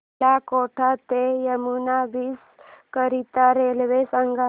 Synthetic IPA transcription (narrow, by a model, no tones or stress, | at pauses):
akoʈʰat̪ejəmunabiːs | kəɾit̪aɾelʋesaŋɡa